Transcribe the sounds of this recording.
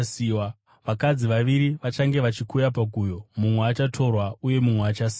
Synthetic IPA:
siːwa | ʋakad͡ziʋaʋiɾiʋat͡ʃaŋɡe̞ʋat͡ʃikujapaɡʱujo̞mumweaːt͡ʃatʰo̞rwauje̞mumweaːt͡ʃasiː

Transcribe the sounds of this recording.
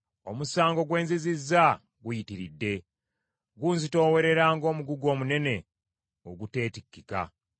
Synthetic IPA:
o̞musaːŋɡo̞ɡwe̞ːnzizizːa | ɡujitiɾidːe̞ | ɡuːnzito̞ːwe̞ɾe̞ɾaːŋɡo̞ːmuɡuɡo̞ːmune̞ne̞ | o̞ɡute̞ːtikːika̰

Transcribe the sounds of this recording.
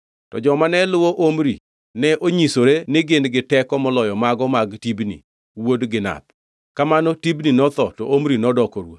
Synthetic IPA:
tɔ̰d͡ʒɔmanɛlʊwoʔomɾḭ | nɛʔoɲisoɾenɪɡɪnɡɪtɛkɔmɔlɔjɔmaɡɔmaɡtibnḭ | wodɡɪna̰t̚ | kamanɔtibninɔt̪ɔtɔʔomɾinɔdɔkɔɾwo̰

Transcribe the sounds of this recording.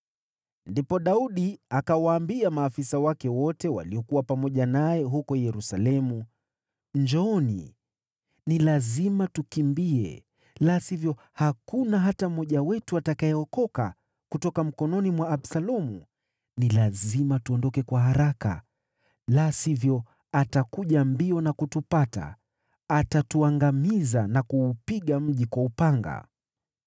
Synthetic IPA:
ndipɔɗauɗiakawaːmbiamaːfisawakɛwɔtɛwa̰liɔkuwapamɔʄanajɛɦukɔjɛɾusalɛmu | ɲd͡ʒɔɔnḭ | nilazimatukimbiɛ̰ | lasivjɔ | hakunaɦatamɔʄawɛtuatakaɛɔkɔka̰ | kutɔkam̩kɔnɔnimwaːɓsalɔmu | nilazimatuɔndɔkɛkwaɦaɾaka̰ | lasivjɔ | atakuʄambiɔnakutupata̰ | atatuaŋɡamizanakuːpiɠam̩ʄikwaupaŋɡa̰

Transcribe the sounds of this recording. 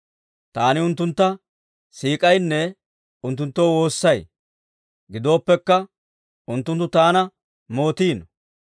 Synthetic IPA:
t̪aːnɪʊnt̪ːʊnt̪ːɐ | siːkʼɐjnːɛ | ʊnt̪ːʊnt̪ːoːwo̞ːsːɐj | ɡɪd̪o̞ːpːɛkːɐ | ʊnt̪ːʊnt̪ːʊt̪aːnɐ | mo̞ːt̪iːnɔ

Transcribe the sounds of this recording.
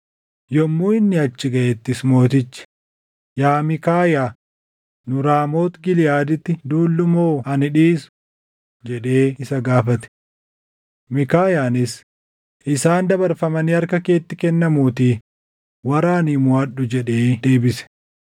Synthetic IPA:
jɔmːuːɪnːɪɐt͡ʃːɪɡɐʔɛt̪ːɪsmo̞ːt̪̬ɪt͡ʃːɪ̥ | jaːmɪkaːjaː | nʊɾaːmo̞ːt̪ɡɪlɪjaːd̪ɪt̪ːɪd̪uːlːʊmoːɐnɪᶑiːsʊ̥ | d͡ʒɛᶑe̞ːɪsɐɡaːfɐt̪ɛ̥ | mɪkaːjaːnɪs | ʔɪsaːnd̪ɐbɐɾfɐmɐnɪɐɾkɐke̞ːt̪ːɪkɛnːɐmuːt̪iː | wɐɾaːnimʊɐɗːʊd͡ʒɛᶑe̞ːd̪e̞ːbɪsɛ̥

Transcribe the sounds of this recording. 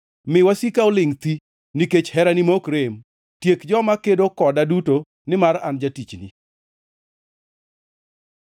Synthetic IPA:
mɪwasikaolɪŋt̪i | niket͡ʃhɛɾanimokɾem | tjekd͡ʒɔmakedokɔdaduto | nɪmarand͡ʒatit͡ʃnḭ

